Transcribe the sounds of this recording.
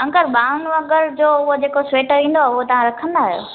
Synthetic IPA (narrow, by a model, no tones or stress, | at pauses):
ɐ̃ŋkəɾɓaːʊnɐɡəɾd͡ʑoːʊɦod͡ʑeːkosweːʈʋĩːn̆d̪oaːʊɦot̪ɐʋ̤ãɾɐkʰə̃nd̪aːɦijo̰ː